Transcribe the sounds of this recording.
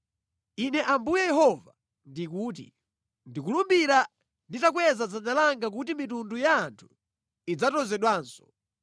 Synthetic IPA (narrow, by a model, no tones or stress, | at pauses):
inɛʔambujɛjɛɦɔva | ndikuːt̬ḭ | ndikulumbiɾa | nditak̬wɛzad͡zanalaŋɡak̬utimitundujaːntʰu̥ | id͡zatɔzɛɗwaːnsɔ̥